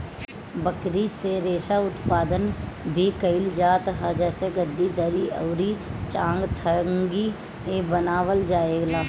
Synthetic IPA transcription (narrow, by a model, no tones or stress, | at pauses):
bəkɾiseɾeːʃaʊt̪paːd̪ənbʱikəɪld͡ʒaːt̪ɦãd͡ʒɛːseɡəd̪ʱːid̪əɾiə̰ʊɾit͡ʃãːŋɡt̪ʰəŋɡi | ebənaːʋəld͡ʒaːeːɡlaː